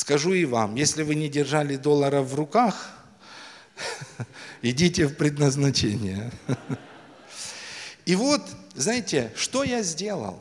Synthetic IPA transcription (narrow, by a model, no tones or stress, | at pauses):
skɐʐuɪva̰mjesʲlʲɪvɨnʲɪdʲɪrʐalʲɪd̪o̞lˠəɾəfvrʊkax | ɪdʲitʲɪfpɾʲɪd̪nəznɐt͡ɕenʲɪjə | ivot̪znajɪtʲɪʂt̪o̞jazʲdʲe̞lˠə̰lˠ